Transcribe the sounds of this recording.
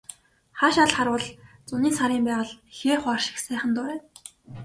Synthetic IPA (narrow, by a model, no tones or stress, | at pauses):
χaʃaɮχaɾʊːɮt͡sʊniːsaɾiːmpæːʁə̆ɮxeːχwaːrʃɪ̥̆ksæːχə̆nt̪ʊːɾeː